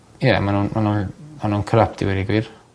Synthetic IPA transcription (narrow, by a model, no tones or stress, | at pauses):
jɛmanuːnmʔanunmanuːnkʰəɾap̚tɪ̰wɛdiɡwɪr